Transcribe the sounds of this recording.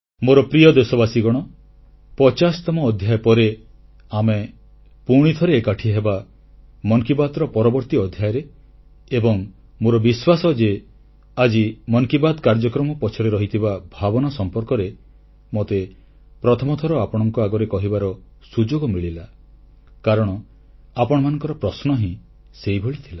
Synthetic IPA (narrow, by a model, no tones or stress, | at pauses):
moɾɔpɾijɔd̪esɔbasiɡɔɽ̃ɔ | pɔt͡ʃast̪ɔmɔːd̪ʱjajpɔɾe | ame | puɾɽ̃it̪ʰɔɾeːkaʈʰieɦeba | mɔŋkibad̪ɾɔpɔɾɔbɔɾt̪iɔd̪ʱjajɾeː | bɔŋ | moɾɔbiswasɔd͡ʒe | ad͡ʒimɔŋkibad̪kaɾd͡ʒɔkɾɔmɔpɔt͡ʃʰɔɾeɾɔɦit̪ʰibabʱabɔnasɔmpɔɾkɔɾe | mot̪e | pɾɔt̪ʰɔmɔt̪ʰɔɾɔapɔɽ̃ɔŋkɔaɡɔɾekɔɦibaɾɔ | sud͡ʒoɡɔmiɭila | kaɾɔɽ̃ɔ | apɔɽ̃ɔmanɔ̃ŋkɔɾɔpɾɔsnɔɦĩ | seibʱoɭit̪ʰila